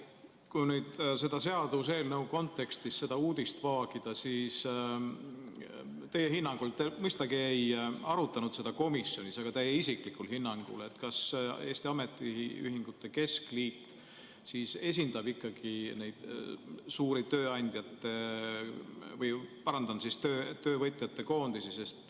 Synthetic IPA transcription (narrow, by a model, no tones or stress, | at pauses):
kujnyːd̪̥se̞d̪̥ɑse̞ɑd̪us̬e̞ːlnɤuko̞nt̪ːˑe̞kst̪isse̞d̪̥ɑuːd̪̥ist̪vɑːɡ̥id̪̥ɑsiːs | t̪e̞jːeɦinːɑŋɡ̥ult̪emɤjst̪ɑɡ̥iejɑɾut̪ːˑɑnud̪̥se̞d̪ɑko̞misjo̞nʲisɑɡ̥ɑt̪ejːeisiklikːˑulɦinːɑŋɡ̥ṵle̞t̪ːkɑse̞ːst̪iɑme̞t̪ːˑiiy̰ɦiŋɡ̥ut̪ˑːe̞ke̞skliːt̪ː | siːse̞s̬ʲind̪̥ɑb̥ikːˑɑɡ̥inejd̪̥suːɾit̪øːɑnʲd̪̥jɑt̪ːe̞ | vɤjpɑɾɑnd̪ɑnsist̪øːt̪ø̞ːvɤjt̪ʲˑjɑt̪ːe̞ko̞ːnd̪̥isise̞st̪